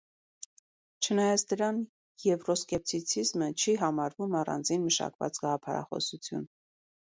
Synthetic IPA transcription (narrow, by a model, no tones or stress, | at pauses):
t͡ʃʰənɑjɑt͡sʰd̪əɾɑn | jɛvrɔskɛp̚t̪ʰit͡sʰizmət͡ʃʰiɦɑmɑɾvumɑrɑ̰nd͡zinməʃɑ̰kvɑ̰t͡sɡɑʁɑpʰɑɾɑ̰χɔ̰sut͡sʰjṵn